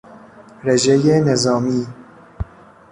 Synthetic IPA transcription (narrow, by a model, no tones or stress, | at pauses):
ɾed͡ʒejenezɒːmiː